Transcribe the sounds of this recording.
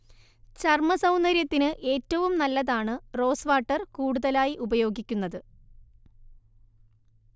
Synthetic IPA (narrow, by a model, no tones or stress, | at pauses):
t͡ɕɐrmɐsɐwnɐɾjɐt̪ːinɨʔe̞ːtːɐʋumnɐlːɐðaːɳɨro̞ːsʋaːʈːɐrkuːɽuðɐlaːjiʔubɐjo̞ːɡikʲːunːɐðɨ